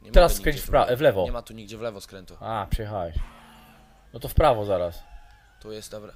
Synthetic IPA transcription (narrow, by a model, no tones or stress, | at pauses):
ɲɛɛɾasːkkɾɛɲt͡ɕfpɾavlɛvɔɛmat̪uɲiɡd͡ʑɛvlɛvɔskɾɛnt̪uapʂɛjɛxawɛʃɛ | nɔt̪ɔfpɾavɔzaɾas | t̪ɔjɛst̪v